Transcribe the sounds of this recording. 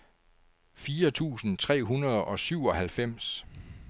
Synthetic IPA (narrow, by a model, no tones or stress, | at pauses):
fiːɐt͡sʰṵːsn̩t͡sʰʁɛ̰ːɦunɐðˠɒ̽syʊ̰ɒ̽hælfem̰s